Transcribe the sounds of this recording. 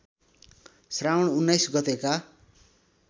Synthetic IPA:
srawnunːajsɡʌt̪eka

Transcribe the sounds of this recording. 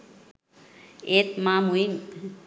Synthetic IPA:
et̪mamuim

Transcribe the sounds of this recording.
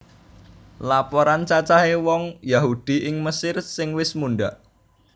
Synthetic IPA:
lapɔɾant͡ʃat͡ʃaɦewɔŋjaɦud̪̥i̤ʔɪŋməsɪrsɪŋwɪsmunɖaʔ

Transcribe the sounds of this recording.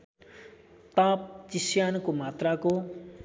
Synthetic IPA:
t̪ap̚t͡ʃisjankomat̪rako

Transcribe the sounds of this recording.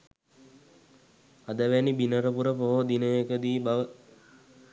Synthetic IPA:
ad̪əʋænibinəɾəpuɾəpoɦod̪inəjekəd̪iːbaʋə

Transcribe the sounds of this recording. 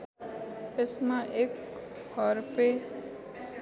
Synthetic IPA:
ɪsmãʔeːk | hɔɾpe

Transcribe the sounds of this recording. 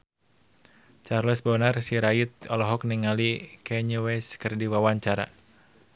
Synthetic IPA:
t͡ʃarlɛsbɔnərsiɾait̪̚ɔlɔɦɔk̚niŋalikɛɲuwɛskɨrdiwawaɲt͡ʃaɾa̰

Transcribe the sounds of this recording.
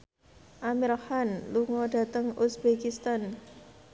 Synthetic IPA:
ʔamiɾhanluŋɔɖ̥a̤t̪əŋusbekist̪an

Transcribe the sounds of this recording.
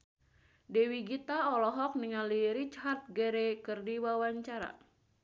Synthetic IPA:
dɛwiɡit̪aɔlɔɦɔk̚niŋaliɾit͡ʃhart̪̚ɡeɾekɨrdiwawaɲt͡ʃaɾa̰

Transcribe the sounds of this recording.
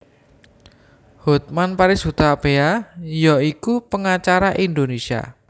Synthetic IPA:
hut̪̚manpaɾɪshut̪apeajɔikupəŋat͡ʃaɾaʔind̪onesia̰

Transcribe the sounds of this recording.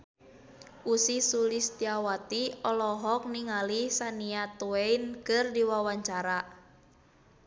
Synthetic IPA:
ʔusisulist̪iawat̪iɔlɔɦɔk̚niŋalisaniat̪ueinkɨrdiwawaɲt͡ʃaɾa

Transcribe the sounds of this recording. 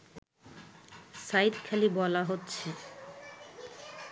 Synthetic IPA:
sajt̪kʰalibɔlaɦotːɕʰe

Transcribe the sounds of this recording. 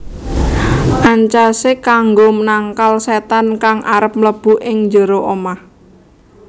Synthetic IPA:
ʔaɲt͡ʃasɪkaŋɡomənaŋkalset̪ankaŋʔaɾəp̚mləb̥ṳʔɪŋɲd͡ʒəɾoʔomah

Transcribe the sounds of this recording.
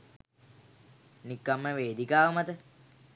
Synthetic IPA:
nikːamːəʋeːd̪ikaːʋəmat̪ə

